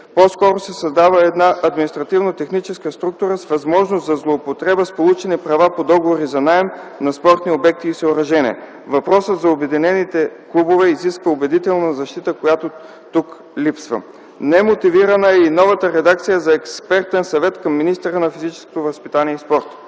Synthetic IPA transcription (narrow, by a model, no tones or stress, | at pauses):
poskɔɾosɛsɐzd̪avəɛd̪naʔɐd̪minist̪ɾɐt̪ivnot̪ɛxnit͡ʃɛskəst̪ɾuk̚t̪uɾəsvɐzmɔʒnoszɐzlˠoːpot̪ɾɛbəspolˠut͡ʃɛnipɾɐvapod̪ɔɡovoɾizɐnaɛmnɐspɔɾt̪niobɛk̚t̪iːsɛoɾɐʒɛnʲḭɛ̰ | vɐpɾɔsət̪zɐobɛd̪inɛnit̪ɛklˠubovɛiziskvəobɛd̪it̪ɛlˠnəzɐʃt̪it̪əkojat̪o | t̪uk | lipsvə̰ | nɛmot̪iviɾɐnəɛinɔvət̪əɾɛd̪ak̚t̪sijəzɐɛkspɛɾt̪ɛnsɐvɛt̪kɐmːinist̪ɛɾənɐfizit͡ʃɛ̥sko̥t̪ovəspit̪aniɛispɔɾt̪